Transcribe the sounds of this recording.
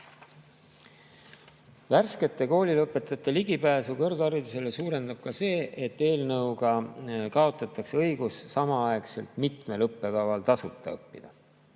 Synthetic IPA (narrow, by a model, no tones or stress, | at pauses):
værske̞t̪ːˑe̞ko̞ːlʲilɤpːˑe̞t̪ˑːɑt̪ːˑe̞liɡipæːsukɤrɡɑɾid̪use̞le̞suːɾe̞nd̪̥ɑb̥̚kɑse̞ːʔe̞t̪ːe̞ːlnɤwɡɑkɑo̞t̪ːˑɑt̪ːˑɑkseɤ̞jɡ̥usːɑmɑɑekse̞lt̪mit̪me̞lɤpːˑe̞kɑvɑlt̪ɑsut̪ːˑɑ̰ɤpːid̪̥ɑ